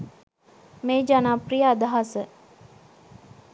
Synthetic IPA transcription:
meːd͡ʒanaːprijəad̪aɦasə

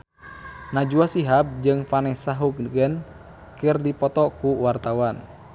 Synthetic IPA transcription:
nad͡ʒuasiɦap̚d͡ʒɨŋfanɛsaɦuk̚nɡən | kɨrdipɔt̪ɔkuwart̪awan

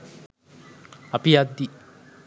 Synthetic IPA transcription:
ɐpijad̪ːi

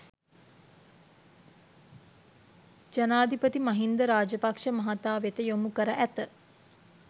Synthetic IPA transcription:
d͡ʒanaːd̪ʱipət̪imɐɦind̪əɾaːd͡ʒəpakʂəmɐɦat̪aːʋet̪əjomukəɾəʔæt̪ə

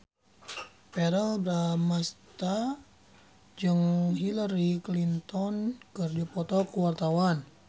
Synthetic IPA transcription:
pɛɾəlbɾamast̪a | d͡ʒɨŋɦilaɾiklint̪ɔnkərd͡ʒipɔt̪ɔkuwart̪awan

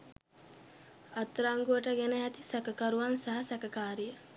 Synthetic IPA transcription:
at̪ːɾaŋɡuʋəʈəɡænəat̪isakəkaɾuʋansaɦɐsakəkaːɾijə

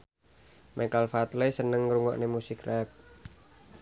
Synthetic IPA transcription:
mʔɛkalfat̪lesənəŋɾuŋɔ̰ʔnemusɪkrɛp̚

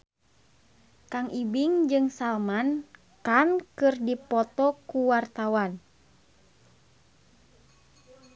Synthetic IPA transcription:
kaŋʔibiŋd͡ʒɨŋsalman | kankɨrdipɔt̪ɔkuwart̪awan

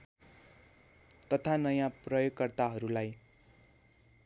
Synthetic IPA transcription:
t̪ʌt̪ʰanʌjãprʌjoɡkʌrt̪aɦʌɾulaj

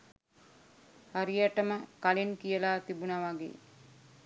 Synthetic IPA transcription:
haɾijaʈəməkalenkijəlaːt̪ibunaʋaɡḛː

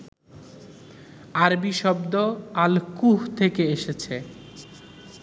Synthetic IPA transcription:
aɾbiʃɔbd̪oalkuɦt̪ʰekeeʃet͡ɕʰe

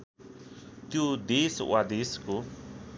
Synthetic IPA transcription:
t̪jod̪eːswa̰d̪eːsko

